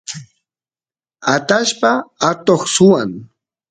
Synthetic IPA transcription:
at̪aʃpaat̪oχsʊwaŋ

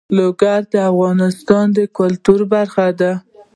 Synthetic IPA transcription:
loɡaɾd̪əafɣɑnɪst̪ɑnd̪əkʊlt̪uɾbaɾxad̪a

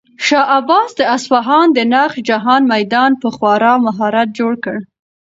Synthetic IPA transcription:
ʃɑʔabɑsd̪əasfaɦɑnd̪ənɑχd͡ʒaɦɑnmajd̪ɑnpəxwɑɾɑmaɦɑɾat̪̚d͡ʒoɽkəɽ

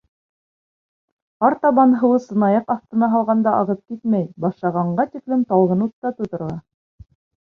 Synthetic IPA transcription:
ɑɾt̪ɑβɑnɦɤ̆wɤsɤ̆nɑjɑqɑθt̪ɤ̆nɑɦɑlˠʁɑnd̪ɑʔɑʁɤp̚kit̪mæjbɑʃlˠɑʁɑɴɢɑt̪iklɘmt̪ɑlˠʁɤnut̪ːɑt̪ŭt̪ɤ̆ɾɑ

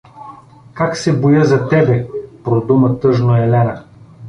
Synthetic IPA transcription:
kaksɛbojɤzɐt̪ɛbɛpɾod̪umɐt̪ɤʒnoɛlɛnɐ

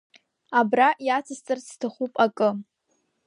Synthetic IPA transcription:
abraʔjat͡sʰɨst͡sʼɨrstʰaχupʼakʼɨ

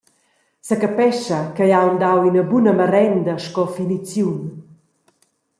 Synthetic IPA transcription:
səkəpɛʃəkəjawnd̪awinəbunəməɾɛnd̪ɐʃkɔfinit͡sjun

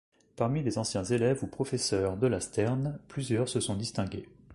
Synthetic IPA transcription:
paʁmilezɑ̃sjɛ̃zelɛvupχɔfɛsœʁd̪əlast̪ɛʁnplyzjœʁsəsɔ̃d̪ist̪ɛ̃ɡʲḛ

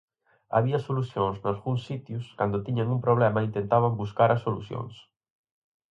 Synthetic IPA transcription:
a̰βiɐsoluθjõŋznalɣuŋsːit̪juskand̪ʊt̪iɲaŋumpɾoβ̞lɛmɐint̪ent̪aβambuskaɾasolṵθjo̰ŋs

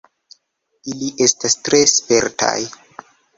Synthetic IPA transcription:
iliʔe̞stastɾe̞spe̞ɾtʰa̰j

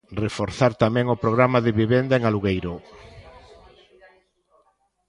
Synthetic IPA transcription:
refoɾθaɾt̪amɛ̃ŋopɾoɣɾamaðɪβiβend̪aeŋaluɣejɾo

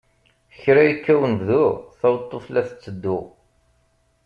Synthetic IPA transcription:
çɾæjkːæwənvðʊʁθɑwt̪ˤːoflæθə̥t͡sːəd̪ːu

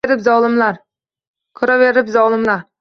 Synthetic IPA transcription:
eɾɪpzɒlˠɪmlaɾ | kʰɵɾaveɾɪpzɒlˠɪmlaɾ

